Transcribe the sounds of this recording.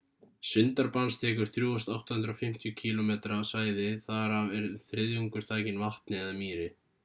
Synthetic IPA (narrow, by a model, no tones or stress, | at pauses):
sʏnt̪aɾpanst̪ʰɛːkʏɾ̥θɾjuːɔst̪awht̪ahʏnt̪ɾafɪm̥t̪jʏcʰiːlɔmɛːt̪ɾasvaːjðɪθaɾavɛɾθɾɪðjuŋkʏɾ̥θʰaːcɪnvaht̪nɪɛðamiːɾɪ